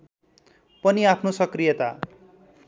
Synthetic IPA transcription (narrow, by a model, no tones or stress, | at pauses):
pʌniapʰnosʌkrijʌt̪a